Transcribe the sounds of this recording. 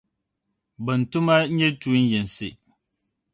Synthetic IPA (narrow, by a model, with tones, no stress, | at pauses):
bə˨n̩˨tu˦ma˦ɲe˦tu˨˦n̩˦je˨n˨si˨